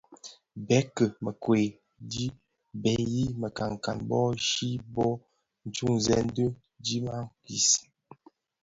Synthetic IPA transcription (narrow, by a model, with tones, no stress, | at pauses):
bɛ˨˦kə˨mə˨kwe˨ | di˦ | bɛ˨ji˦mə˨ka˨ŋ˨ka˨nbɔ˦ʃi˦bɔ˦ | n̩˨˦t͡ʃu˦ŋzɛ˦n˦də˦ | di˦ma˦ŋki˨s